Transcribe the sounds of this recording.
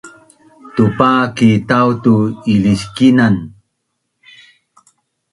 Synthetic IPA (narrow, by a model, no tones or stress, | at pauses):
tupakitawtuiliskinan